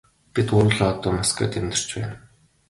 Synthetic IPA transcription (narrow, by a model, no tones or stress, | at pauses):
pit̪ʊɾɮɔːt̪ɔːmaska̰ːt̪ʰemt̪ɪ̆r̥t͡ɕpæ̰ːn